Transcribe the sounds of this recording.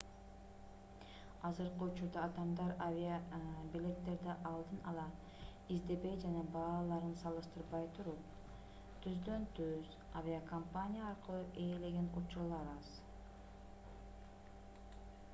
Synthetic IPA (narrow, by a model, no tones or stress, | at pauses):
ɑzɯɾqɯut͡ʃuɾd̪ɑːd̪ɑmd̪ɑɾavʲiabilʲe̞t̪ːe̞ɾd̪eʔɑlˠd̪ɯnɑlˠɑ | izd̪e̞be̞jd͡ʒanɑbɑːlˠɑɾɯnsɑlˠɯʃt̪ɯɾbɑjt̪ʰuɾup | t̪ʰyzd̪ø̞nt̪ʰyz̥ | avʲiakompanʲijaːɾqɯlˠuʔe̞ːle̞ɡʲe̞nut͡ʃuɾlˠɑɾɑz